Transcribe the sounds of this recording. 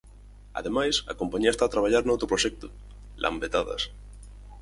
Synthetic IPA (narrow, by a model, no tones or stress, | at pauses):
a̰ðemajsa̰kompaɲiaet̪aːt̪ɾaβ̞aʎaɾnowt̪ɾopɾoʃek̚t̪o̥ | lʔa̰mbet̪aða̰s